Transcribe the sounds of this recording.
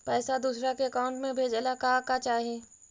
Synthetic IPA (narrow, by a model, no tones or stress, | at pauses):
pɛːsad̪uːsɾakeɐkaːʊ̃ɳʈmẽbʱeːd͡ʒlakakat͡ʃaːɦeː